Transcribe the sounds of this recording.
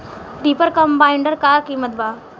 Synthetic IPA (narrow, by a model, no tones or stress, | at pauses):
ɾipəɾkəmbaiɳɖəɾkakimət̪ba